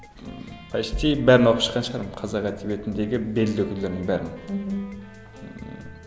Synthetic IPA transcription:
qʰɑjʃt̪ʰibæɾɪnoqʰupʃə̥qːɑnʃə̥qʰɑɾmqʰɑzɑʁæt̪ʰibet̪ʰɪnd̪eɡʲɪbelːøkʲʰylːeɾnɪŋbæɾɪn

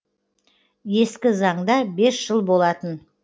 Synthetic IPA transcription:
je̞skʲɪzɑɴd̪ɑbe̞sʒ̥əlˠbo̞lˠɑt̪ən

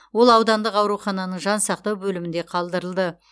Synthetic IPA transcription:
wo̞lˠɑwd̪ɑnd̪əqɑwɾuχɑnɑnəɴʒɑnsɑq̚t̪ɑwbɵlɪmɪnd̪e̞qʰɑlˠd̪əɾəlˠd̪ə

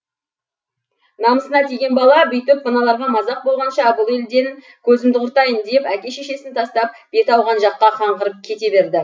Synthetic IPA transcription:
nɑməsənɑt̪ʰijɡʲe̞nbɑlˠɑbejt̪ʏpmənɑlˠɑɾʁɑmɑzɑq̚bo̞lˠʁɑnʃɑbʊlˠe̞ld̪e̞ŋ | kʲʰɵzɪmd̪ɪqʊɾt̪ɑjənd̪e̞pækʲe̞ʃe̞ʃe̞sɪnt̪ʰɑst̪ɑp̚b̥e̞t̪ɑwʁɑnʒɑqːɑqʰɑɴʁəɾəp̚kʲʰe̞t̪e̞be̞ɾd̪ɪ

